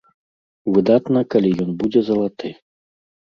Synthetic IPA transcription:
vɨd̪at̪nɐkalʲijɔnbud͡zʲɛzɐlˠat̪ɨ

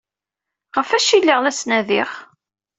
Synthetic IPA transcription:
ʁəfæʃilːəʁlæsnæðiχ

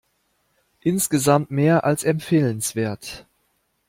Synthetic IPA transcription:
ʔɪnsɡ̥əzamtmeːɐʔalsɛmpfeːlənsv̥eːɐt

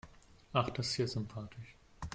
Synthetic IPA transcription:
ʔaχd̥aseːɐzʏmpʰaːtʰɪʃ

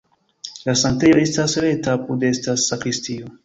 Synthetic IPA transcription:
lasante̞jo̞e̞stasɾe̞tapudestasakɾistio

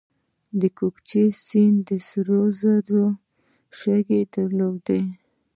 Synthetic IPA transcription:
d̪əkokt͡ʃesind̪əsɾozad̪o | ʃaɡed̪əɾloɡd̪e

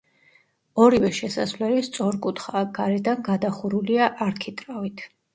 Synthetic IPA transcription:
ɔɾivɛʃɛsasvlɛlist̪sʼɔɾkʼut̪ʰχaɡ̥aɾɛd̪anɡad̪aχuɾuliaʔaɾkʰit̪ʼɾavit̪ʰ

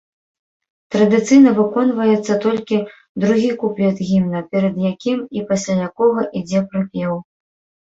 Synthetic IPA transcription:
t̪ɾɐd̪ɨt̪sɨjnɐvɨkɔnvɐjɛt̪sːɐt̪ɔlʲkʲi | d̪ɾuɣʲikuplʲɛd̪ɣʲimnɐpʲɛɾɐd̪jakʲimipasʲlʲajakɔɣɐʔid͡zʲɛpɾɨpʲɛw

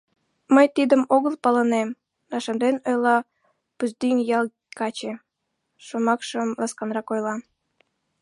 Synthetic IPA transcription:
məjt̪id̪əmoɣəlpɑlənem | nɑʃənd̪enojlɑ | puzd̪yŋjɑl | kɑt͡ɕe | ʃomɑkʃəmlɑskɑnrɑkojlɑ

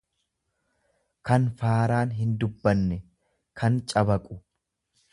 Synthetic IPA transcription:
kɐnfaːɾaːnɦɪnd̪ʊbːɐnːɛ | kʰɐnt͡ʃʼɐbɐkʼʊ̥

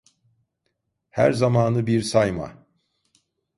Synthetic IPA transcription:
hæ̰ɾzamaːnɯbiɾsajma̰

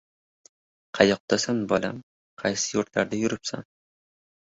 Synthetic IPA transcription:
qʰɑjɒq̚d̪̥asanbɒlam | qʰɑjsɪjoɾt̪laɾd̪ajʊɾɪpsa̰n

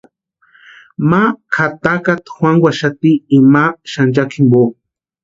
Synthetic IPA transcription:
makʰat̪akat̪xwaŋwaʃat̪iːmaʃand͡ʒakʰimbo

